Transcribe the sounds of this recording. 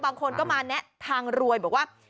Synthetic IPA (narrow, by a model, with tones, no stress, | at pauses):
baː˧ŋkʰo˧nkɔː˥˩maː˧nɛ˦˥ʔt̪ʰaː˧ŋɾu˧əjbɔ˨˩k̚waː˥˩